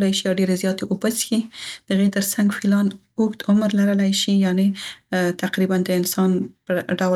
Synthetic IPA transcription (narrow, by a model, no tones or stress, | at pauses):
lajʃijɑɖeɾezjɑt̪eʔobəskid̪̥əhaɣet̪əɾsaŋɡfilɑn | uxt̪ʊmɾlaɾəlajʃijɑnet̪aqɾiband̪əɪnsɑnpəɖaw